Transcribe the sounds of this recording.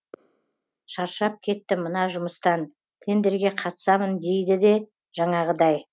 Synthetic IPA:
ʃɑɾʃɑp̚kʲʰe̞t̪ːɪmənɑʒʊməst̪ɑn | t̪ʰe̞nd̪e̞ɾɡʲe̞qʰɑt̪sɑmənd̪e̞jd̪ɪd̪e̞ | ʒ̥ɑɴɑʁəd̪ɑj

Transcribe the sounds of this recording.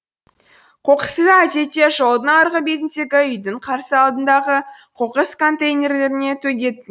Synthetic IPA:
qʰo̞qə̥səd̪əæt̪e̞t̪ʲeʒolˠd̪ənɑɾʁəbet̪ɪnd̪eɡʲɪʏjd̪ɪɴqʰɑɾsəɑlˠd̪ənd̪ɑʁə | qʰo̞qəsko̞nt̪ejnʲe̞ɾle̞ɾɪne̞t̪ʰɵɡʲe̞t̪ɪ

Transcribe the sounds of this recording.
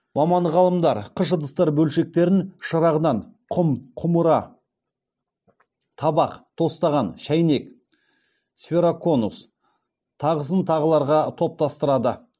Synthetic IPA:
mɑmɑnʁɑlˠəmd̪ɑɾqʰəʃ̬əd̪əst̪ɑɾbɵlʃe̞k̚t̪e̞ɾɪnʃəɾɑʁəd̪ɑnqʰʊmqʰʊməɾɑ | t̪ʰɑbɑqt̪ʰo̞st̪ɑʁɑnʃæjne̞k | sfʲe̞ɾoko̞nṵs | t̪ʰɑʁəs̬ənt̪ʰɑʁəlˠɑɾʁɑt̪ʰo̞p̚t̪ɑst̪əɾɑd̪ə

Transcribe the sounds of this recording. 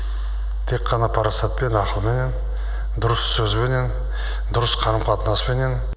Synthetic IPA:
t̪ʰe̞qʰːɑnɑpʰɑɾɑsɑt̪̚pe̞nɑqəlˠme̞ne̞n | d̪ʊɾəsːɵzbe̞ne̞n | d̪ʊɾəsqʰɑɾəmqʰɑt̪ənɑsəpe̞ne̞n

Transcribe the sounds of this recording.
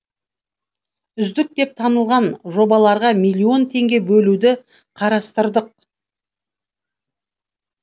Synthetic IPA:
ʏzd̪ɪk̚d̪e̞p̚t̪ʰɑnəlˠʁɑnʒo̞bɑlˠɑɾʁɑmijlʲːio̞nt̪ʰe̞ŋɡʲe̞bɵlud̪ɪ | qʰɑɾɑst̪əɾd̪əq̚

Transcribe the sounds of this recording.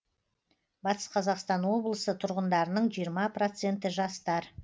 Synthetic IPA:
bɑt̪ʰə̥sqʰɑzɑqst̪ɑnwo̞blˠəsət̪ʰʊɾʁənd̪ɑɾənəɴʒijəɾmɑpro̞t̪se̞nt̪ɪʒɑst̪ɑɾ

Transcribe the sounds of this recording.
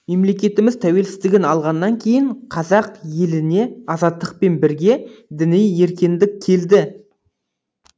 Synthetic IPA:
me̞mle̞kʲe̞t̪ɪmɪzt̪ʰæwe̞lsɪzd̪ɪɡʲɪnɑlˠʁɑnːɑŋkʲʰe̞jɪɴqʰɑzɑqje̞lɪne̞ɑzɑt̪ːəq̚pe̞nbɪɾɡʲe̞d̪ɪnije̞ɾkʲe̞nd̪ɪkʲʰe̞ld̪ɪ

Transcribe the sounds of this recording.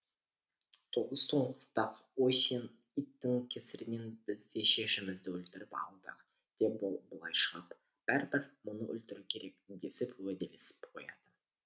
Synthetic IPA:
t̪ʰo̞ʁəz̥t̪ʰoɴst̪ɑqwojsʲen | it̪ːɪŋkʲʰesɪɾɪne̞nbɪzd̪eʃe̞ʃɪmɪzd̪ɪɵlt̪ɪɾɪpɑ̰lˠd̪ə̰q | d̪̥e̞pwolˠbəlˠɑjʃəʁəp | b̥æɾbɪɾmʊnəʔɵ̰lt̪ɪɾukʲʰe̞ɾe̞k̪̚ɪd̪e̞sɪpwæd̪elesɪ̥pqʰojɑ̰d̪̥ə

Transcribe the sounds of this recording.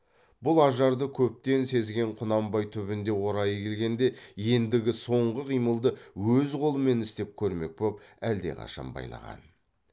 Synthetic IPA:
bʊlˠɑʒɑɾd̪əkʲʰɵp̚t̪e̞nse̞zɡʲe̞ɴqʰʊnɑmbɑjt̪ʰʏβɪnd̪e̞wo̞ɾɑjekʲe̞lɡʲe̞nd̪e̞je̞nd̪ɪɡʲɪso̞ɴʁəqʰijməlˠd̪əwɵzqʰo̞lˠəme̞nɪst̪e̞p̚kʲʰɵɾme̞̰k̚bo̞pæld̪e̞̰qʰɑ̰ʃɑ̰mbɑ̰jlˠɑ̰ʁɑ̰n

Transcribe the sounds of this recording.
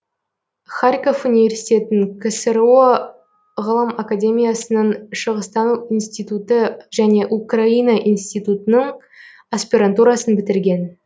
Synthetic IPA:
χarʲko̞funive̞ɾrsijt̪ʲe̞t̪ɪŋkʰaseɾo | ʁəlˠəmakad̪ʲe̞mʲijasənəɴʃəʁəst̪ɑnuinst̪ijt̪ut̪əʒæne̞ʔukraijnɑʔinst̪ijt̪ut̪ənəɴ | aspʲiɾant̪uɾɑsənbɪt̪ɪɾɡʲe̞n

